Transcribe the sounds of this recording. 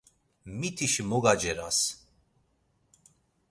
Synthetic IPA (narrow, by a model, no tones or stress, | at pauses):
mit̪ʰiʃmɔɡad͡ʒɛɾas